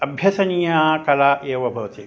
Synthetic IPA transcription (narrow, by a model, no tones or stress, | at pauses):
ɐbʱjɐsɐnijakɐlaːʔeːʋɐbʱɐʋɐt̪i